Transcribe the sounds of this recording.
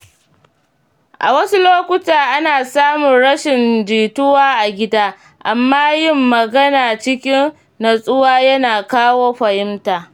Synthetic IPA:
ʔa̰˨wɐ˦su˦loː˦kʷʊ˦taː˨ʔa˦naː˨saː˦mʊ˨nɽɐ˦ʃɪ˨nd͡ʒiː˨tʊ˦waː˦ʔa˨ɡʲɪ˦daː˦ | ʔa˨mːaː˦jɪ˦mːɐ˨ɡɐ˦naː˨t͡ʃɪ˦kʲɪ˦nː | a˨sʼʊ˦waː˦jɐ˦naː˨kaː˦woː˦ɸɐ˨jɪ˦mtaː˨

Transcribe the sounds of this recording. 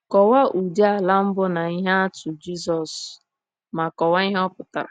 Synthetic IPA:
kɔ˨wa˦ʔu˨di˦a˨la˦m̩˦bʊ˦na˨i˦ɦa˦a˦tʊ˨d͡ʒi˦s̬ɔ˨s | ma˨kɔ˨wa˦i˦ɦɔ˦pʊ˨ta̰˨ɾa̰˨

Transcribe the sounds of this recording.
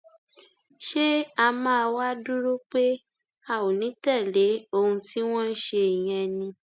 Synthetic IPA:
ʃe˦a˧mãː˦˧wa˦du˦ɾo˦k͡pe˦ | a˦˨wo˨nĩ˨˦tɛ˦˨le˨˦o˧hũ˧ti˦w̃ɔ̃˦n̩˦ʃe˧i˨j̃ɛ̃˧nĩ˧

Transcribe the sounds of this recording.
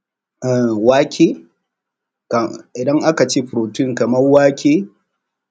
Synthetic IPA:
ʔa˨waː˦kʲeː˦ | kɪ˨dɐ˦ŋʔa˦ka˨t͡ʃeː˦ɸʊ˨ɾoː˨tɪ˦˨ŋkɐ˨mɐ˦rwaː˦kʲeː˦

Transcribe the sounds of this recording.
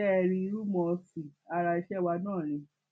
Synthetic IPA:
ɛ˦˧ɾ̃ĩ˧ɾu˦mɔ̃˧si˨a˧ɾa˧i˧ʃɛ˦˧wa˧nãː˦˨ɾ̃ĩ˧

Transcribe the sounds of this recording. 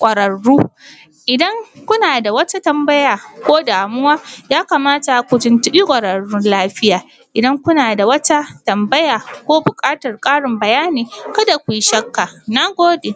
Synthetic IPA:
kʷʼɐ˨ɾɐ˨ɽːuː˦ | ʔɪ˨dɐ˦ŋkʷʊ˦naː˨da˨wɐ˦ta˦tɐ˨mbɐ˦jaː˨kʷoː˦daː˨mʊ˦waː˦jaː˦ka˨maː˦ta˨kʷʊ˨tʊ˨ntʊ˦ɓi˦kʷʼɐ˨ɾɐ˨ɽːʊ˦nlaː˦ɸɪ˦jaː˨ | ʔɪ˨dɐ˦ŋkʷʊ˦naː˨da˨wɐ˦ta˦tɐ˨mbɐ˦jaː˨kʷoː˦bʊ˨kʼaː˦tɐ˨rkʼaː˦ɽɪ˨mbɐ˨jaː˦niː˨kɐ˦da˨kʷu˨ji˦ʃɐ˦kːa˨na˦ɡʷoː˦de˨

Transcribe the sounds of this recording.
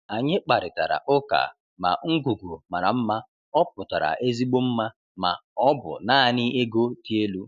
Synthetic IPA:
a˨ɲɪ˦k͡pa˨ɾɪ˨ta˨ɾa̰˨ʔʊ˦ka̰˨ | ma̰˨ŋ̩˦ɡu˨ɡu˨ma˨ɾa˨m̩˦ma˦ | ɔ˦pʊ˨ta˨ɾa̰˨ʔe˦zi˦ɡ͡bo˦m̩˦ma˦ | ma̰˨ɔ˦bʊ̰˨naː˦˨nɪ˦e˦ɡo˦ti˦e˦lu˦

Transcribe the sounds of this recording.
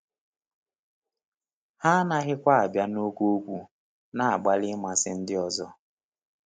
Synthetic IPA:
ha˦na˦ɣɪ˦kʷa˦a˨bja˦no˦kʷu˦o˦kʷu˦ | na˨a˨ɡ͡ba˦lɪ˦ma˨sɪ˦n̩˦dɪ˦ɔ˦zɔ˦

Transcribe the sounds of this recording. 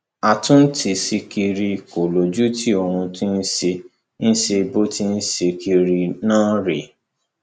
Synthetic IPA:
a˨tʊ̃˦n̩˦tʰi˧si˧ki˧ɾi˧ko˨lo˨d͡ʒu˦tʰi˦o˧hũ˧tĩ˦n̩˦ʃe˧ | n̩˦ʃe˧bo˦ti˦n̩˦ʃe˧ki˧ɾi˧nãː˦ɾe˨

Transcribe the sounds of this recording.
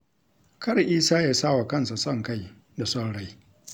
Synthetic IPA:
kʰɐ˦ɽʔiː˦saː˦jaː˦saː˦wa˨kɐ˦nsa˨sɐ˦˨ŋka˦˨j | da˨sɔ˦ɽɽa˦j

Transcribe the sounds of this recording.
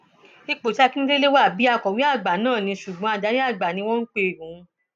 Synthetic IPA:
i˧k͡po˨ta˦˧ki˦ĩ˦le˦le˦wa˦˨bi˨˦a˦˧˨kɔ˨wi˨˦a˦˨ɡ͡ba˨nãː˦˨nĩ˧˦ʃu˨ɡ͡bɔ̃˨˦a˧˨da˨˦ɾi˦a˦˨ɡ͡ba˨nĩ˧wɔ̃˦n̩˦k͡pe˦˨ɾũ˨˦˧

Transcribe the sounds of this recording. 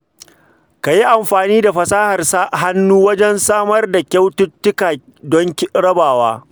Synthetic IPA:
ka˨ji˦ʔa˨mɸaː˨niː˦da˨ɸɐ˨saː˦hɐ˨rsa˦ɦa˦nːuː˦wɐ˦d͡ʒɛ˦nsaː˦mɐ˦rda˨kʲa˦wtʊ˦tːɪ˦kaː˨ | dɔ˦ŋkʲɽɐ˦baː˨wa̰ː˦

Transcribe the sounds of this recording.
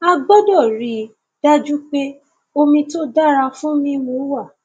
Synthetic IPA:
a˧ɡ͡bɔ˦dɔ˦˨ɾi˨ | d̥a˦d͡ʒu˦k͡pe˦ | o˦mĩ˧to˦da˦ɾa˧fũ˦mĩ˧mo˨˦wa˦˨

